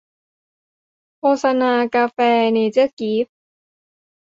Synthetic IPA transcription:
kʰoː˧sa˧naː˧kaː˧fɛː˧ne˧t͡ɕɯ˥˩ki˦˥p̚

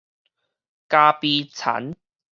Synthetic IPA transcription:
kaː˧piː˧t͡sʰɐ̰˨˥n

